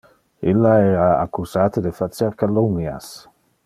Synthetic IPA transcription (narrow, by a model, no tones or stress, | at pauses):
ilaɛɾaakuzat̪əd̪efat͡seɾkalumja̰s